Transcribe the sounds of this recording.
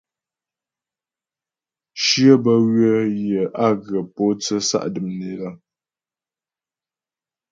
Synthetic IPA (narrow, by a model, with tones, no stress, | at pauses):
ʃjə˦bə˦ɣɥə˦jə˨ʔa˦˨ɣə˨po˦t͡sə˦sa̰˦ʔdɨ˨mne˨la˦